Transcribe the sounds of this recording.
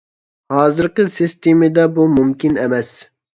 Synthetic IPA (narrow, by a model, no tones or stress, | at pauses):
hɑːzɨɾqɨsist̪ʰimɪd̪ɛbumumkʲinɛmɛs